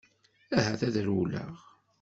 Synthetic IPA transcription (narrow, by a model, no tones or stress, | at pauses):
æɦæθæðɾulæ̰ʁ